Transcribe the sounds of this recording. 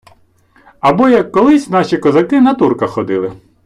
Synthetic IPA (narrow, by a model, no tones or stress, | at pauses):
ɐbɔjɐkːɔlˠɪsʲnɑʃʲikɔzɐkɪnɐt̪urkɐxxɔd̪ɪlˠɪ